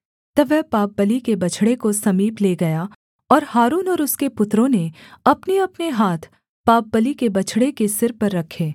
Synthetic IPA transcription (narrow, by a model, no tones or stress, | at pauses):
t̪ɐʋɛɦpaːp̚bəlikebɐt͡ʃʰɽekosɐmiːpleːɡɐja | ɔːɾhaːɾuːnɔːɾʊskepʊt̪ɾõneɐpneɐpneɦaːt̪ʰ | paːp̚bəlikebɐt͡ʃʰɽekesɪɾpɐɾːɐkʰːeː